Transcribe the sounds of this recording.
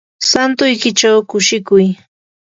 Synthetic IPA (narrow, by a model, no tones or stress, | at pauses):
sant̪ʊjkɪt͡ʃawkʊʃɪkʊj